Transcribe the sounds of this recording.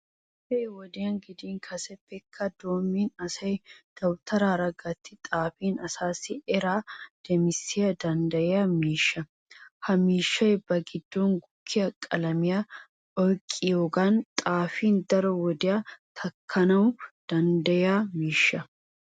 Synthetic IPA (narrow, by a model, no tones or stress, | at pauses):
fɛjwɔd̪ɪjɐnɡɪd̪iːŋkʰɐsɛfːɛkʰːɐd̪oːmːiːnɐsɐjd̪̥ɐwt̪ʰɐɾaːɾɐɡɐt̪ʰːɪt̪ʼaːfiːnɐsaːsɪɛɾaːd̪̥ɛmɪsɪjɐd̪ɐnd̪ɐjɛjɐmiːʃːɐ | hɐmiːʃːɐjbɐɡɪd̪ːoŋɡʊkʰːɪjɐkʼɐlɐmɪjɐ | ɔjkʼːɪjoːɡaːnt̪ʼaːfiːnd̪ɐɾɔwɔd̪ɪjɐt̪ʰɐkʰːɐnɐwʊd̪̥ɐnd̪ɐjɛamiːʃːɐ